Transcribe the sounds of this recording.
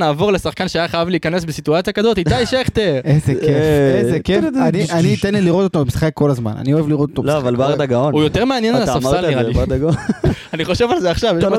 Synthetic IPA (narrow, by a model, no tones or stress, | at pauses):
naːvo̞ʁlesaχkanʃeajaχajavliːkane̞sbesituat͡sijakazot̪it̪aiʃeχt̪eʁezekefezekeaniʔaniːt̪enliliʁot̪ot̪obemisχekʰːo̞lazma̰na̰nio̞evliʁot̪ot̪omloavalbaʁd̪aɡaonujo̞t̪eʁmeanjenalasafaliʁaiad̪aɡoaniχo̞ʃevalzeaχʃavjeʃ